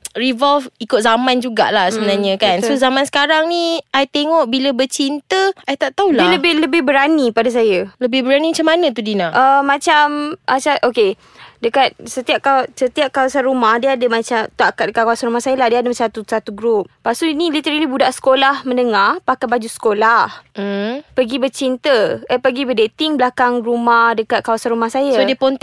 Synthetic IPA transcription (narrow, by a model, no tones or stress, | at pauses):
rivɔlfikʊt̪̚zamãnd͡ʒuɡa̰ʔlahsəmənaɲə̃kansozamansə̥kaɾaŋniajt̪eŋɔʔbiləbət͡ʃint̪əajt̪aʔt̪aulaləbɪhləbɪhbəɾanipadas̬ajələbɪbəɾanimat͡ʃamanə̃t̪̬udinaʔəmːãt͡ʃamat͡ʃaʔoke | dəkat̪̚sət̪iap̚kasət̪iap̚kawasanɾumahdiadəmat͡ʃamt̪uakat̪̚dəkat̪̚kawasanɾumahsajəlahdiəadəmat͡ʃat̪usat̪uɡɾup̚pasuinĩlit̪əɾalibudaʔsə̥kolahmə̃ndəŋahpakabad͡ʒusə̥kolah̩ | pəɡibət͡ʃint̪əəpəɡibədet̪ɪŋblakaŋrumahdəkat̪̚kawasanɾumahsajaodiəpɔnt̪